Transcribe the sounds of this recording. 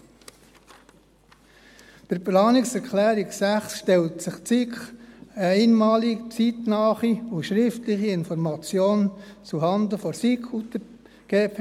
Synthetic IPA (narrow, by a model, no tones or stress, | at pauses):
pəɾplɑːnɪksɛɾkχlæːɾiksæχsʃtɛltsɪχt͡sikχəɛɪnmɑːlit͡sit̪nɑːχiuʃɾɪftlɪχiɪnfɔɾmɑt͡sjoːnt͡suɦɑnd̪əfɔsikχut̪ə | ɡ̥eːpʰ